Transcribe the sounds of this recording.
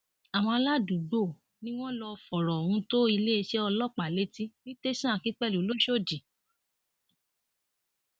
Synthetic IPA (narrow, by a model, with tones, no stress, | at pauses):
a˨w̃ɔ̃˧a˧la˦du˨ɡ͡bo˦˨ | nĩ˦w̃ɔ̃˦lɔ˧fɔ˨ɾɔ˨o˨hũ˧˦to˦i˧le˦i˧ʃe˦ɔ˧lɔ˦˨k͡pa˨le˦ti˦nĩ˦te˦sã˦˨kĩ˦k͡pɛ˦˨lu˨lo˦ʃo˦˨d͡ʒi˨